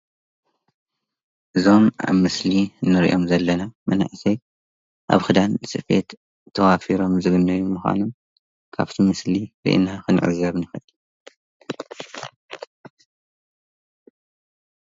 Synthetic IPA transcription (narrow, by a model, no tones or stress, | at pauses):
ʔɨzo̞mʔa̰βmɨsliɨnːɨɾḭʔo̞mzɐlːɐnamɐna̰ʕsɐj | ʔa̰βxɨd̪anlɨsɨfḛt̪ | t̪ʰːɐwafiɾo̞mzɨɡɨnːɐjumɨxʷa̰num | kʰa̰βt̪ʰimɨsliɾḭʔɨ̰naxɨn̰ʕɨ̰zɐβnɨxɐʔɨl